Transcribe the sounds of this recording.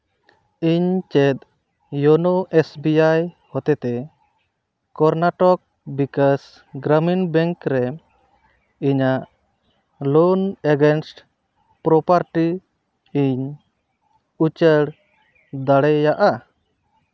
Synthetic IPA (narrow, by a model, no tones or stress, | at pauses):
iɲt͡ʃɛt̪̚ | jɔnoʔesbiaj | hɔt̪ɛt̪ɛ | kɔɾnaʈɔk̚ | bikas | ɡɾəminbɛ̃ŋkɾɛ | iɲaʔ | lɔneɡɛnsʈ | pɾɔpaɾʈi | iɲ | ut͡ʃəɽ | d̪aɽɛjaʔa